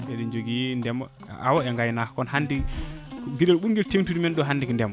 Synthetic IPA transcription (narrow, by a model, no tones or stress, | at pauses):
ɛɗɔnd͡ʒoɡindɛm | a̰wɔɛŋɡajnakɔnhandi | ɡidɛlɓuɾŋɡɛlteŋtudmɛnɗɔɦandikndɛm